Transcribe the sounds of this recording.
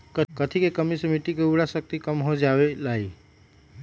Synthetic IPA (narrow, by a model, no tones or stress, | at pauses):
kəkət̪ʰikekəmisəmiʈikeuɽasək̚t̪ikəmɦod͡ʒabelai